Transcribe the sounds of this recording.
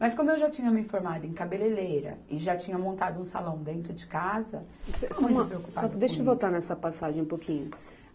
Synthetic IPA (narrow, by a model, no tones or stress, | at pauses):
mɐskõmʊewʒat͡ʃĩɲɐmɪifoɾmad̪ʊẽkabelelejɾɐ̰ɪʒat͡ʃĩɲɐmõnt̪ad̪ʊũsa̰lɐ̃w̃d̪ẽnt̪ɾʊd͡ʒɪkazɐ̰semũtmɐʊpɾeokupspaɔd̪eʃɐvot̪aɾnɛsɐpasaʒẽj̃ũpokʰĩɲʊ